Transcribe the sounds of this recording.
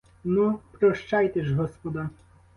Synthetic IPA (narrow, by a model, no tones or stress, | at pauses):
nupɾɔʃt͡ʃɑjt̪ɛʒɦɔspɔd̪ɑ